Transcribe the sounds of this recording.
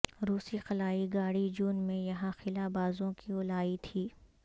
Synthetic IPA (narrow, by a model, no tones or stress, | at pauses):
ɾuːsixɐlaːiɡaːɽid͡ʒuːnmẽjɐɦãxɪlabaːzõkiʊlaːit̪ʰiː